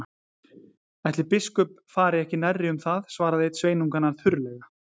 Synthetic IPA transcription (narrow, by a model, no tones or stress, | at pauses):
ɛjht̪lɪpɪskʏp | faːɾɪɛhcɪnarːɪʏmθaðsvaːɾaðet̪sveːjnuŋkanːaɾθʏɾlɛɣa